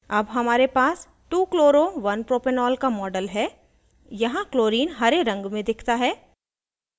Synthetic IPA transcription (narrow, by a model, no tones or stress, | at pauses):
ɐbɦɐmaːɾepaːs | ʈuːkloːɾoʋɐnpɾoːpenɔːlkamɔːɖəlɦɛː | jɐɦãkloːɾiːnɦɐɾeɾɐ̃ŋɡmẽd̪ɪkʰt̪aɦɛː